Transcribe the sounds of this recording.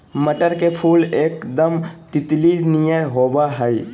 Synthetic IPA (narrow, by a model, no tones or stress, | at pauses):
məʈəɾkepʰuleːkd̪əmt̪ɪt̪linijəɦobaɦəj